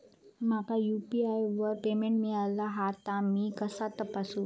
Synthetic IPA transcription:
makajupiajʋəɾpemeɳʈmiɭalaɦat̪amikəsat̪əpasũ

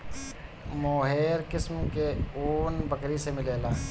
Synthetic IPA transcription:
moːɦeːɾkɪsmkeoːnbəkɾisemɪleːlaː

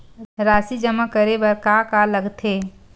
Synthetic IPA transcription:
ɾaːsid͡ʒəmakəɾebəɾkakaləɡt̪ʰeː

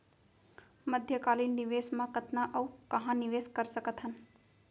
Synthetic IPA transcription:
məd̪ʱjəkaːlinːiʋeːsmãkət̪naʔɐukɐɦãniʋeːskəɾsəkət̪ɦən

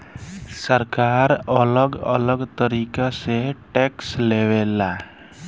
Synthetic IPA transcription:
səɾkaːɾələɡə̰ləɡt̪əɾiːkaseʈɛːksleːwela

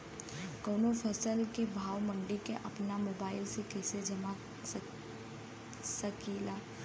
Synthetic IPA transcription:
koːnopʰəsəlkebʱaːwmə̃ɳɖikeʔɐpnamoːbaːɪlsekɛːsed͡ʒɐma | səkilaː

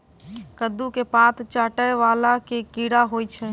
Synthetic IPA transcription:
kəd̪ukepat̪ʰt͡ʃaːʈəjʋalakekiɽaɦojt͡ʃʰɛ

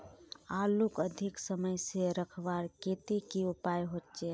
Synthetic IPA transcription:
alukəd̪ʱiksəməjseɾəkʰʋaɾket̪ekiupajɦot̪t͡ʃe

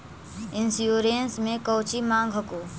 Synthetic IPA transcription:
ɪ̃nsjuːɾeːnsmẽkəːt͡ʃimãːŋɡʱɦəkoː

